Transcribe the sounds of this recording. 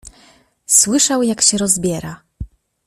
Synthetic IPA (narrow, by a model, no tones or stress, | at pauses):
swɘʂawjakɕɛɾɔzbʲjɛɾa